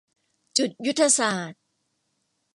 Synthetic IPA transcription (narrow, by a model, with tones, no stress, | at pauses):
t͡ɕu˨˩t̪̚ju˦˥t̪ʰːa˧saː˨˩t̪̚